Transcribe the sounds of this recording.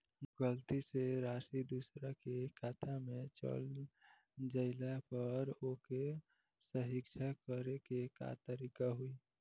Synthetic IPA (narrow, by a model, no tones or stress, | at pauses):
ɡəlt̪iseɾasid̪usɾakekʰat̪ʰamet͡ʃə̰l | d͡ʒəɪlapəɾoke | səɦɪkt͡ʃʰakəɾekeka̰t̪əɾikaɦui